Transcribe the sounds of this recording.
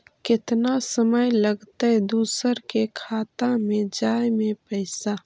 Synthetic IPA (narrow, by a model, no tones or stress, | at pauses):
kɪt̪nasəməjləɡt̪ad̪uːsəɾkekʰaːt̪ãmẽd͡ʒaːjmẽpəɪsa